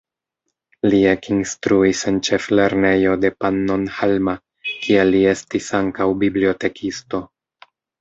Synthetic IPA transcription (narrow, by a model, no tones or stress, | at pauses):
lie̞kinstɾuise̞nt͡ʃe̞fle̞ɾne̞jo̞de̞panːonhalma | kʰielie̞stisaŋkawbiblio̞te̞kʰisto̞